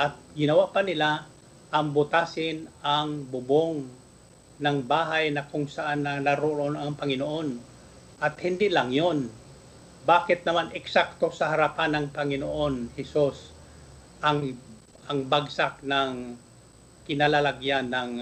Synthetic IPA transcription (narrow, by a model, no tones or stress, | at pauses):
ʔɐt̪̚ɡɪnɐwapɐnɪla | ʔɐŋbʊt̪asɪnaŋbʊboŋ | nɐŋbaːɦajnɐkʊŋsɐʔanːɐnaɾoɾonɐŋpɐŋɪnoʔo̞n | ʔɐt̪hɪnd̪ilɐŋjon | baːkɪt̪̚nɐmanʔɛksak̚t̪o̞sɐhɐɾɐpanːɐŋpɐŋɪnoʔo̞nhɛsus | ʔɐŋ | ʔɐŋbaɡsak̚nɐŋ | kɪnalalaɡjanːɐŋ